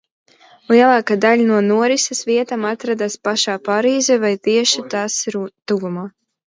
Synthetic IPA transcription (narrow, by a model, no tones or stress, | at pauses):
lˠiɛlˠaːkad̪aʎʲnuɔnuɔɾisɛsviɛt̪amat̪ɾad̪aspaʃaːpaɾiːzɛvajt̪iɛʃit̪aːsɾt̪uɡumaː